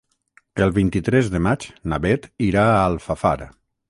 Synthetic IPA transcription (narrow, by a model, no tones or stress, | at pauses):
əlˠβint̪it̪ɾɛzðəmad͡ʒnaβɛt̪iɾaalˠfafa̰ɾa̰